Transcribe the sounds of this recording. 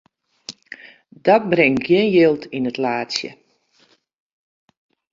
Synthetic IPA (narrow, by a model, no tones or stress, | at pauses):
dɔt̚brɪŋɡ̥jɪnjɪlˠtʰinətlaːtsjə̰